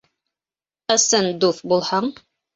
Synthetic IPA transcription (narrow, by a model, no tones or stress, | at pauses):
ɤ̆sɤnd̪ufbulˠhɑɴ